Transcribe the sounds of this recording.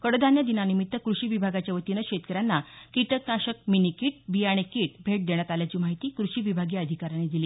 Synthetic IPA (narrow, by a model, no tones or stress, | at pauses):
kəɽəd̪ʱanjad̪inanimit̪ːəkɾuɕiːʋibʱaɡat͡ɕjaʋət̪inəkɕet̪kəɾanːakiʈəknaɕək̚minikiʈ̚biaɽ̃ekiʈ̚bʱeʈ̚d̪eɽ̃jat̪aljat͡ɕiːmaɦit̪iːkɾuɕiːʋibʱaɡiːəd̪ʱikaɾaned̪iliː